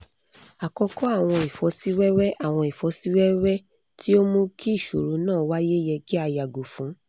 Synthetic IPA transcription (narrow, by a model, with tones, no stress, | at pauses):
a˨kɔ˧kɔ˦a˦˨w̃ɔ̃˧i˨fɔ˨˧˦si˦wɛ˦ɾɛ˦ʔa˦˨w̃ɔ̃˧i˨fɔ˧˦si˦wɛ˦ɾɛ˦ | ti˦o˦mõ˦ki˦i˦˨ʃṵ˨ɾũ˨˦nãː˦˨˦wa˦je˦jɛ˧ki˦a˧ja˨ɡo˨fũ˨˦